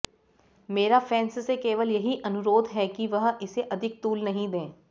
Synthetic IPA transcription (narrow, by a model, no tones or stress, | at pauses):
meːɾafɛːnssekeːʋəljɐɦiʔɐnʊɾoːd̪ʱɦɛkiʋɐɦɪseʔɐd̪ʱɪk̚t̪uːlnɐɦĩd̪ẽː